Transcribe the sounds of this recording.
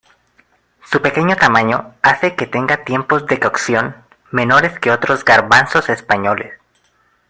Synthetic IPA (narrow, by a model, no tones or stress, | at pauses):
supe̞ke̞ɲot̪amãɲo̞̰ase̞ket̪e̞ŋɡat̪je̞mpo̞zðe̞kawksjo̞n | me̞no̞ɾe̞ske̞o̞t̪ɾo̞zɡaɾβanso̞se̞spaɲo̞lḛs